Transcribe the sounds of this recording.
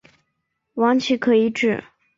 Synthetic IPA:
wɑ˧˥ŋt͡ɕʰi˧˥kʰɤ˧˥i˧˥ʈ͡ʂɻ̩˥˩

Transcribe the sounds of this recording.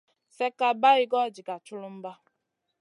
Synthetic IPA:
sɛ˦ka˨ba˦ɪ˦ɡɔ˦˨d͡ʒi˨ka˨t͡ʃʊ˦lʊ˦m̩˦ba˦

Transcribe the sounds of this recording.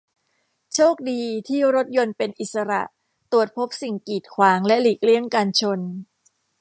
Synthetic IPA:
t͡ɕʰoː˥˩k̚diː˧t̪ʰiː˥˩ɾo˦˥t̪̚jo˧npe˧nʔi˨˩t̪̚sa˧ɾa̰˨˩ʔ | t̪u˨˩ət̪̚pʰo˦˥p̚si˨˩ŋkiː˨˩t̪̚kʰwaː˩˦ŋlɛ˦˥liː˨˩k̚li˥˩əŋkaː˧nt͡ɕʰo˧n

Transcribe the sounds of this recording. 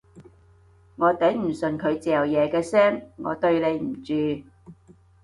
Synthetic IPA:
ŋɔː˨˧t̪ɐ˨˥jm̩˨˩sɵ˨nkʰɵ˨˧ɥt͡sɛː˨˩jɐ˨˩wjɛː˨˧kɛː˧sɛː˥ŋŋɔ̰ː˨˧t̪ɵ˧ɥle˨˧jm̩˨˩t͡ʃyː˨˧

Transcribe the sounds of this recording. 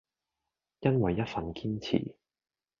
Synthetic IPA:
jɐ˥nwɐ˨jːɐ˥t̚fɐ˨nkiː˥nt͡sʰḭː˨˩

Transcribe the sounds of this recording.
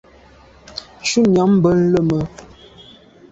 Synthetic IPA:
ʃu˦njɔ˨˦m̩˦bə˦n̩˦lə˦˨mə˨

